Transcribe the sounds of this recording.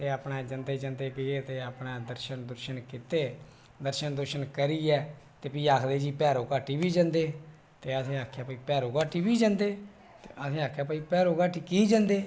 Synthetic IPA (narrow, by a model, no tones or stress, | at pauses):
t̪eːaːpneːd͡ʒənd̪eːd͡ʒãnd̪eːkɪeːt̪eːapnaːd̪əɾʃənd̪əɾʃənkit̪eː | d̪əɾʃənd̪əɾʃənkəɾiːɛː | t̪eːpiːaːkʰd̪eːd͡ʒiːpɛːɾoːkaːʈʰiːbiːd͡ʒãnd̪eː | t̪eːasẽːaːkʰjaːpəːiːpɛːɾoːkaːʈʰiːbiːd͡ʒãːnd̪eː | t̪eʔasẽːaːkʰjaːpaːiːpɛːɾoːkaːʈʰiːkiːd͡ʒãːnd̪eː